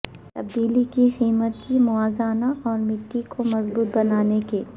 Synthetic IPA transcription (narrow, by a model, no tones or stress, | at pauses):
t̪ɐb̚d̪iːlikixiːmət̪kimʊaːzaːnaɔːɾmɪʈːikʰomɐzbuːt̪̚bɐnaːnekeː